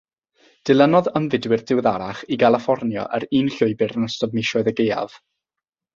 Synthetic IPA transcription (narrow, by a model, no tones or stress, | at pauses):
d̥ɪlˠənɔðəmvɪdwɪrdɪwðaɾaχiɡalˠɪfɔrnjɔ̰ʔəɾiːnɬʊɨbɪɾnəstɔbmɪʃɔɨðəɡeja̰v̥